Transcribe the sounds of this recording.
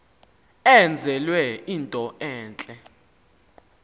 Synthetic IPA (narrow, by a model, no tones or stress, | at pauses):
ɛnd͡zʱɛlwɛiːntʼɔʔɛːnt͡ɬʼɛ